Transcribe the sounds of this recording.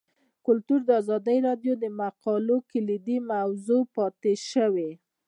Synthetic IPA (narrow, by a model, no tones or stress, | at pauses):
kʊlt̪uɾd̪əɑzɑd̪əjɾɑdjod̪əmaqɑlokɪlid̪imawzopɑt̪eʃəwe